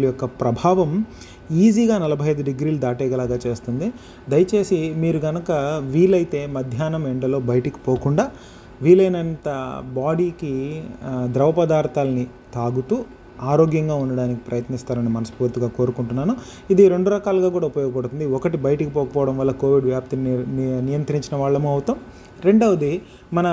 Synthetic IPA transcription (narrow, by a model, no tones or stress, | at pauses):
ljɔkːɐpɾɐbʱaːʋɐm | iːziːɡaːnɐlɐbʱɐjɐjd̪uɖiɡɾiːlud̪aːʈɛːɡɐlaːɡaːt͡ʃe̞ːst̪und̪i | d̪ɐjɐt͡ʃe̞ːsimiːɾuɡɐnɐkɐʋiːlɐjt̪e̞ːmɐd̪ʱjaːnɐmɛɳɖɐlo̞ːbɐjɐʈɐki̥poːkuɳɖaː | ʋiːlɐjnɐnt̪ɐbaːɽiːki | d̪ɾɐʋɐpɐd̪aːɾt̪aːlɐni | t̪aːɡut̪uː | aːɾo̞ːɡjɐŋɡaːunːɐɽaːniki̥pɾɐjɐt̪nist̪aːɾɐnimɐnɐsu̥puːɾt̪iɡaːko̞ːɾukuɳʈunːaːnu | id̪iɾe̞ɳɖuɾɐkaːluɡaːkuːɽaːupɐjɔːɡɐpɐɽut̪und̪iɔkɐʈibɐjɐʈikipɔːkɐpɔːʋɐɽɐmʋɐlːɐkoːʋiɖʋjaːp̚t̪innijɐnt̪ɾiɲt͡ʃinɐʋaːɭːɐmuːɐʋwt̪aːm | ɾe̞ɳɖɐʋɐd̪i | mɐnɐ